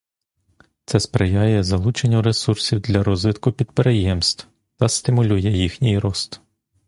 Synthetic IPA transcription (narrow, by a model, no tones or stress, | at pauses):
t̪sɛspɾejɑjɛzɐlˠut͡ʃenʲːɐɾesursʲiwd̪lʲɐɾɔzʋɪt̪kʊpʲid̪̚peɾejɛmst̪w | t̪ɐst̪ɪmʊlʲujɛjixnʲijɾɔst̪